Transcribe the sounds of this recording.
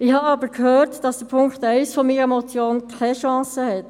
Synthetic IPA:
ɪhɑɑbəɾkhøːɾtd̥ɑsd̥əpʰʊŋktɛɪsfɔmiːɾɛmɔt͡sjoːnkʰɛʃɑ̃ːsəhɛt

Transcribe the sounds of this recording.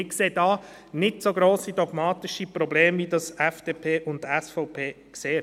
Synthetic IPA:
ɪkseːdɑː | nɪtsoɡɾoːsidɔɡ̥mɑːt̪ɪʃipɾɔbleːmvidɑsɛfd̥eːpʰeːʔʊndtɛsfɔʊpʰeː | kseː

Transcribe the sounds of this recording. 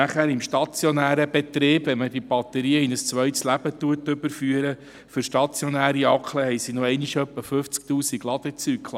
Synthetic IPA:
æχæːɾɪmʃtɑt͡sjɔnæːɾəbet̪ɾɪːb̥vɛnməd̥ib̥ɑt̪əɾiːəinəst͡sʋœjtslæb̥ət̪uətːɵbəɾfyəɾə | fʏɾʃtɑt͡sjɔnæːɾiɑkʰləhɛjsinoɛjniʃœpːəfɵft͡sk̚t̪uːsiɡlɑd̥̪ət͡sykʰlˠ

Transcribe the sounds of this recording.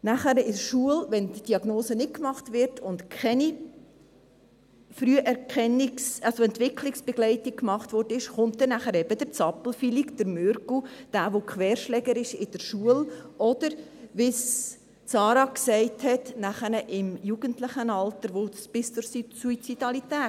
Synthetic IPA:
næχəɾɪʃuəlʋɛndd̥iɑɡnoːsənɪt̚kmɑχtʋɪɾtʰʊntkʰɛni | fɾyəʔɛɾkʰɛnːiksɑsoɛntʋɪkʰlɪksb̥ɛɡlɛɪtɪk̚kmɑχtʋɔɾdəɪʃχʊnt̚ːɛnæχəɾɛbəd̥̪əɾt͡sɑpl̩filikd̥əɾmøɾɡud̥aːʋokχʋɛːɾʃlɛɡəɾɪʃɪd̥əɾʃuəlɔd̥̪əɾʋɪs | t͡sɑːɾɑksɛɪthɛtnæχənəʔɪmjuɡ̥əntlɪχənɑltəɾʋosb̥ɪst͡sʊɾssuit͡sidɑlitɛː

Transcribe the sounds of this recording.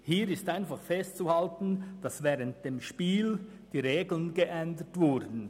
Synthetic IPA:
hiːɾɪstaɪnfaχfɛstt͡suhaltn̩d̥ɑsvɛːɾənt̚d̥eːmʃpiːl | d̥iːɾeːɡl̩ənɡeʔɛndətvʊdn̩

